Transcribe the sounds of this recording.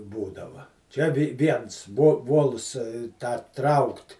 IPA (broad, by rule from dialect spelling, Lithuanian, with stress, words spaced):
ˈbuːdɐʋɐ ˈt͡ʃʲɛ ʋʲɪ ˈʋʲiɛns ʋoː ˈʋoːlˠs tɑː ˈtrɐʊkt